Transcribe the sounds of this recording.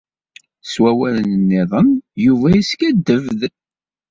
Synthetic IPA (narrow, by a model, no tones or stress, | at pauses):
swæwælənənːɪðˤənjuvæiskæd̪ːəvð